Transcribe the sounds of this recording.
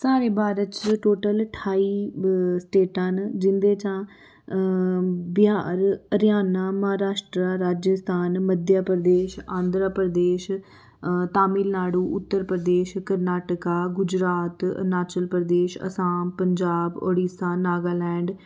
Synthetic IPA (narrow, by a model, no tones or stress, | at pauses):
saːɾeːbaːɾət͡ʃʈoːʈəlʈʰaːiːsʈeːʈãːnd͡ʒɪnd̪eːt͡ʃãː | bɪjaːɾəɾjaːnaːməɦaːɾaːʃʈɾaːɾaːd͡ʒəst̪ʰaːnməd̪jaːpɾd̪eːʃãːnd̪ɾaːpɾəd̪eːʃ | t̪aːmiːlnaːɽuːʔʊt̪ːəɾpɾəd̪eːʃkəɾnaːʈəkaːɡʊd͡ʒɾaːt̪ə̰naːt͡ʃəlpəɾd̪eːʃə̰saːmpəɲd͡ʒaːbo̰ːɽiːsaːnaːɡaːlɛ̃ːɳɖ